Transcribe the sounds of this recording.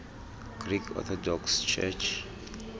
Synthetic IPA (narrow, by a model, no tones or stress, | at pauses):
ɡ̥ɾikʰɔ̰t̪ʰɔdɔkst͡ʃʰɛ̰t͡ʃ